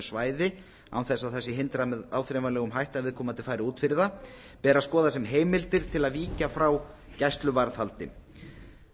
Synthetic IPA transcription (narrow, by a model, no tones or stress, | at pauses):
svaːjðɪ | a̰wθɛsaðθɛsːɪɦɪnt̪ɾamɛðaːwθɾɛvalɛːɣʏmɦajht̪avɪːðkʰɔːmant̪ɪlfaːjɾɪuːt̪fɪɾɪða | pɛːɾaskɔːðasɛmɦeːjmɪlt̪ɪɾ̥t̪ʰɪlaðviːcafɾaw | cajst̪lʏvaɾðhalt̪ɪ̰